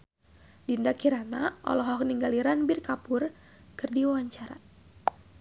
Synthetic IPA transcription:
dindakiɾanaʔɔ̰lɔɦɔkniŋɡaliɾanbirkapʊr | kɨrdiwawaɲt͡ʃaɾa̰

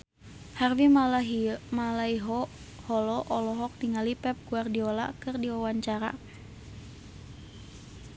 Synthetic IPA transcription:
harwi | malaiɦɔ | hɔlɔʔɔlɔɦɔk̚tiŋalipɛp̚ɡuardiɔla̰kɨrdiwawaɲt͡ʃaɾa̰

